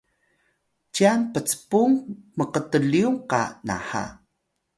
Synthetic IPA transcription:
t͡ɕianpət͡sə̥puŋməqətəɮiuŋqa̰na̰ħa̰

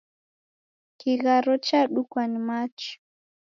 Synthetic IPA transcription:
kiɣaɾɔt͡ʃaɗukwanimat͡ʃɔ̥

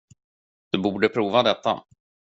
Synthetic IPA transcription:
d̪̥ɵbuːɖəpʰɾuːvad̪ɛt̪ːa̰

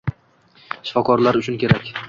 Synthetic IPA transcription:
ʃɪ̥fɒkʰɒɾlaɾʊt͡ʃʰʊnkʲe̞ɾakʲ

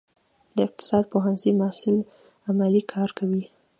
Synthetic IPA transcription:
d̪̥əɪq̚t̪ɪ̥sɑd̪̚poɦanzimasɪl | amalikʰɑɾkʰawi

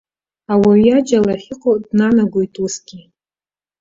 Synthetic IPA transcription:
awaɥjad͡ʒalaχʲɪqʼodnanaɡʷojtʼusɡʲi

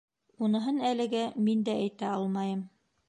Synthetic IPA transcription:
unɤ̆ɦɤnælɘ̆ɡæmind̪ææjt̪æɑlˠmɑjɤm

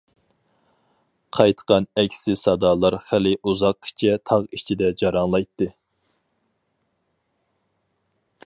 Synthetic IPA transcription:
qʰɑjt̪ʰə̥qɑnɛkʲʰsɪsɑd̪ɑlˠɑɾχælɪʔuzɑqːi̥t͡ʃʰɛt̪ʰɑʁit͡ʃʰid̪ɛd͡ʒɑɾɑŋlˠɑjt̪ːɨ

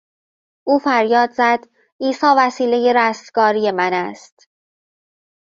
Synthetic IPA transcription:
ʔuːfæɾjɒːd̪zæd̪ | ʔiːsɒːvæsiːlejeɾæst̪ɡ̥ɒːɾije̞mænæst̪

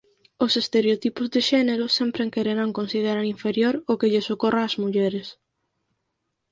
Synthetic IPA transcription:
osest̪eɾeot̪ipʊzðeʃɛneɾʊsɛmpɾeŋkeɾeɾaŋkonsiðeɾaɾiɱfeɾjoɾokeʎesokorʔaːzmuʎɛɾes

